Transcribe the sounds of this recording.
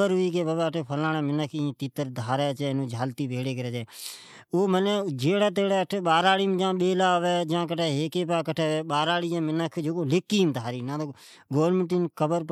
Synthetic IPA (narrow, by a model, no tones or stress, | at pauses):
əɾɦʊiːk̬eːbəbɛːəʈʰeːpʰəlãːnɛ̃ːmɪnəkʰĩt̪iːt̪əɾd̪ʱaːɾɛːt͡ʃɛːnũːd͡ʒʱaːlt̪iːbʱeːɽeːkəɾɛːd͡ʒɛː | oːmənɛːd͡ʒeːɽaːt̪̬eːɽɛːəʈʰeːɓaːɾaːɽiːmd͡ʒãːɓeːlaːʋɛːd͡ʒãːk̬əʈʰɛːɦeːkeːpaːkəʈʰɛːɓaːɾaːɽiːãːmɪnəkʰd͡ʒoːkoːlɪkːiːmd̪ʱaːɾiːnãːt̪o | ɡoːɾnmə̃ɳʈɪnkəbəɾp